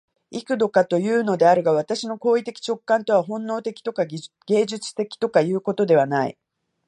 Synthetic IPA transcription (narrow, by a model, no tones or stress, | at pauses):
ikɯ̟d̪o̞kat̪o̞jɯ̟ːno̞d̪e̞aɾɯ̟ɡaβ̞at̪aɕino̞ko̞ːit̪e̞kʲi̥t͡ɕo̞kːãnt̪o̞βaɦõ̞nːo̞ːt̪e̞kʲi̥t̪o̞ka | ɡ̥e̞ːʑɨt͡sɨ̥t̪e̞kʲi̥t̪o̞kajɯ̟ːko̞t̪o̞d̪e̞βanaḭ